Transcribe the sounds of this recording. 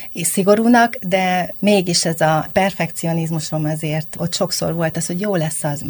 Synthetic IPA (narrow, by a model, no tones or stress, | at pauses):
siɡo̞ɾuːnɒkd̪ɛmeːɡiʃɛzɒpɛrfɛkt̪sio̞nizmuʃomɒzeːrt̪o̞t̪ːʃo̞kso̰rʋo̞lt̪ɒsho̞ɟjoːlɛsːɒz